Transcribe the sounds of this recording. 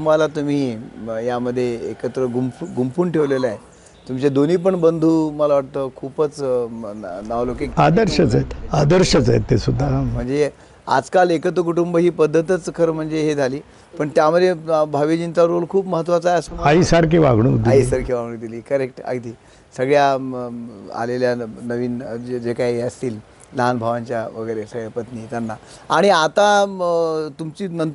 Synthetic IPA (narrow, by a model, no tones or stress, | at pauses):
malat̪um̤iːjaməd̪ʱːjeːkət̪ɾəɡumpɡumpuːɳʈʰeʋleləaje | t̪umt͡ɕed̪oniːp̬əɳbənd̪ʱuːməlaʋaʈ̚t̪əːkʰuːpət͡s | naʋlokikad̪əɾɕət͡sajet̪ad̪əɾɕət͡sajḛt̪ːesud̪ʱːam̤əɳd͡ze | a̰d͡zkalekət̪̬ɾəkuʈumbəɦiːpəd̪ʱːət̪ət͡skʰəɾm̤əɳd͡zeɦed͡zʱaliː | pəɳt̪jaməd̪ʱebʱaʋid͡ʑint͡saɾolkʰuːpməɦət̪ːʋat͡sajəsəaɦisəɾkiʋaɡɳ̃uːd̪iaisəɾkʰeʋaɡɳũːd̪iliːkəɾek̚ʈa̰ɡd̪ʱiː | səɡɭja | a̰leljanəʋiːnd͡ʑekaiəst̪iːl | ləɦanbʱaʋaɲt͡ɕjaʋəɡəjɾesəɡepət̪niːt̪janːa | aɽ̃iat̪a | t̪umt͡ɕiːnənt̪